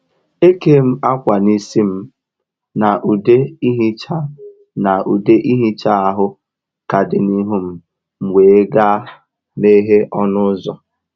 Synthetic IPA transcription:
e˦ke˦m̩˦a˦kʷa˨ni˦si˦m̩˦ | na˨ʔu˨de˦i˦ɦi˦t͡ʃa˦ | na˨ʔu˨de˦ʔi˦ɦi˦t͡ʃa˦a˨ɦʊ˦ | ka˨dɪ˨ni˦ɦu˦m̩˦ | ŋ͡m̩˨wʷeː˨e˦ɡa˦ | me˦ɦe˦ʔɔ˦nʊ˦zɔ˨

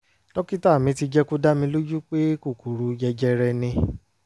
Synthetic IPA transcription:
tɔ˦ki˦ta˦˨mĩ˧ti˧d͡ʒɛ˦ku˦da˦mĩ˧lo˦d͡ʒu˦k͡pe˦ku˦˨ku˨ɾu˨˧jɛ˧d͡ʒɛ˧ɾɛ˧nĩ˧

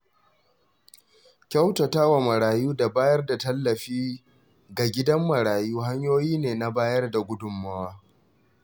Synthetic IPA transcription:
kʲa˦wtɐ˨taː˦wa˨mɐ˨ɾaː˨juː˦da˨baː˦jɐ˦rda˨tɐ˦lːɐ˨ɸiː˦ | ɡa˨ɡʲɪ˦dɐ˦mːɐ˨ɾaː˨juː˦ɦa˦ɲjoː˦jiː˦neː˨na˦baː˦jɐ˦rda˨ɡʷʊ˦dʊ˨mːɐ˦waː˦

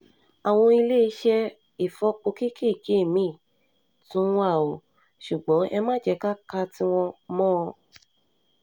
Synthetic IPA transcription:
a˨w̃ɔ̃˧i˧le˦i˧˦ʃɛ˧ | i˨fɔ˧˦k͡po˧ki˦ki˦˨d͡ʒe˨˦˨mĩ˨˦˨ | tũ˦ũ˦a˦˨o˨ | ʃu˨ɡ͡bɔ̃˨˦ʔɛ˧mãː˦˨d͡ʒɛ˨˦ka˦ka˧ti˦w̃ɔ̃˧mɔ̃˦˧

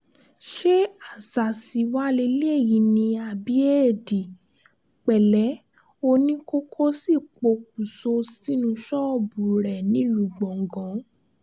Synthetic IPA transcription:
ʃe˦a˨sa˨si˨˧wa˦le˧le˦e˦˨ji˨˦nĩ˧a˨˧˨bi˨˦e˦˨di˨ | k͡pɛ˨lɛ˨˦ | o˧nĩ˦ko˦kʰo˦si˦˨k͡po˧k̚u˨so˧si˦nũ˧ʃɔ˦˨bu˨ɾɛ˨nĩ˨˦lu˨ɡ͡bɔ̃˨ŋ̩˨ɡɔ̃˨˦

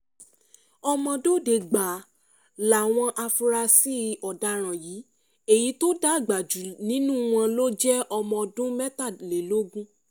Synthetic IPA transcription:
ɔ˧mɔ̃˧do˦˨de˨ɡ͡ba˨ | la˨w̃ɔ̃˧ʔa˧fu˧ɾa˧si˦ɔ˨da˧˦ɾ̃ã˨jiː˨˦ | e˦˨ji˨˦to˦da˦˨ɡ͡ba˨d͡ʒu˨nĩ˨˦nũ˦w̃ɔ̃˧lo˦d͡ʒɛ˦ɔ˧mɔ̃˧dũ˦mɛ˦ta˦˨le˨lo˦ɡũ˦

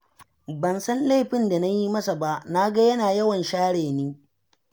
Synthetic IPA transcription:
bɐ˨nsɐ˦nle˦˨ɸɪ˦nda˨na˦ji˦mɐ˦sa˨ba˦ʔna˦ɡa˦jɐ˦naː˨jɐ˦wɐ˨nʃaː˦ɽeː˨niː˦

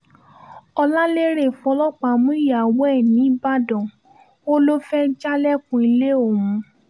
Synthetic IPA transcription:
ɔ˧la˦le˦ɾe˦˨flɔ˦k͡pa˧˨mũ˦i˦ja˨wɛ˦˨nĩ˨˦ba˦dɔ̃˨ | o˦lo˦fɛ˦d͡ʒa˦lɛ˦kũ˧i˧le˦o˦˨wũ˧

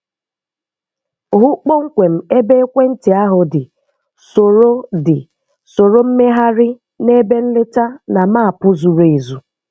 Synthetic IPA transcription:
ɦʊ˦k͡pɔ˦ŋ̩˦kʷe˨m̩˦e˦be˦e˦kʷe˦n̩˦tɪ˨a˦ɦʊ˨dɪ˨ | so˨ɾo˦dɪ˨ | so˨ɾo˦m̩˦me˦ɦa˦ɾɪ˦ | ne˦be˦n̩˦lɪ˦ta˦na˨ma˦a˨pʊ˦zu˨ɾo˨e˨zu˨

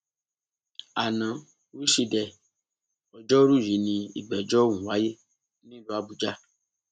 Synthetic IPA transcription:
a˨nã˨ | wi˦ʃi˧dɛ˨ | ɔ˨d͡ʒɔ˦ɾu˦˨ji˨˦nĩ˧ḭ˨ɡ͡bɛ˨d͡ʒɔ˦wũ˨wa˨˦je˦ | nĩ˦lu˧˦a˧bu˨d͡ʒa˦

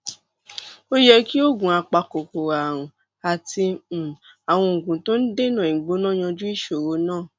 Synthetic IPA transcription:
o˦jɛ˧ki˦o˦˨ɡũ˨a˧k͡pa˧ko˨ko˨a˨ɾ̃ũ˨ | a˨tĩ˧˨ | a˨w̃ɔ̃˧o˨ɡũ˨˦to˦n̩˦de˦nã˦˨ĩ˨ɡ͡bo˨˦nã˦˨j̃ã˧d͡ʒu˦i˦˨ʃo˨ɾo˨˦nãː˦˨

